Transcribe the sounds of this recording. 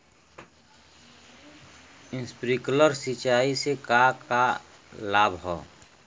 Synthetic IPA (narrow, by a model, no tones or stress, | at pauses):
ɪ̃nspɾikləɾsit͡ʃaːisekaka | laːbʱɦɔ̰ː